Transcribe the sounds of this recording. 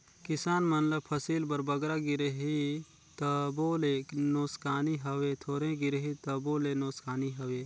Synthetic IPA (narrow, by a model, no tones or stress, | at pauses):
kɪsaːnmɐnləb̚pʰɐsiːlbɐɾbɐɡɾaɡɪɾəɦi | t̪ɐboːlenoːskaːniɦɐwet̪ʰoːɾẽɡɪɾɦit̪ɐboːlenoːskaːniɦɐweː